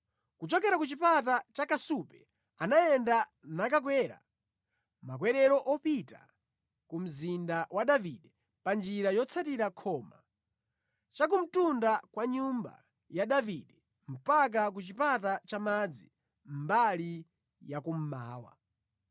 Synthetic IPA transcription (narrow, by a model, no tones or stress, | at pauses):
kut͡ʃɔkɛɾakut͡ʃipatat͡ʃakasupɛ̥ | anajɛndanakak̬wɛːɾa̰ | mak̬wɛɾɛɾɔʔɔpita̰ | kum̩zindawaɗaviɗɛ | pand͡ʒiɾajɔt͡sʰatiɾakʰɔːma | t͡ʃak̬um̩tundakwaɲumba̰ | jaɗaviɗɛ | m̩pak̬ak̬ut͡ʃipatat͡ʃamad͡zi | m̩bali | jakum̩ma̰ːwa̰